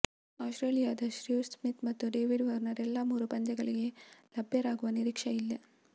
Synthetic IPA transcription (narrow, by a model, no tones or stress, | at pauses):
aːsʈɾeːlijaːd̪ɐʃɾismit̪mɐt̪ːuɖeːʋiɖʋɐɾnɐɾɛlːɐmuːɾupɐɲd͡ʒɐɡɐɭiɡe̞lɐbʱjɐɾaːɡuʋɐniɾiːkʂɐilːe